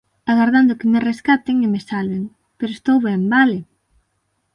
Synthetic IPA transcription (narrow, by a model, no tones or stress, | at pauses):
aɣaɾðand̪ʊkɪmereskat̪eŋimesalβeŋ | peɾoest̪owβɛmbale